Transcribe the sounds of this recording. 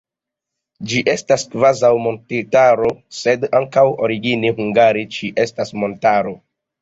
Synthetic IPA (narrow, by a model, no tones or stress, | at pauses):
d͡ʒiʔe̞staskvazawmo̞ntitaɾo̞se̞daŋkawo̞ɾiɡineɦuŋɡaɾit͡ʃiʔe̞stasmo̞ntaɾo̞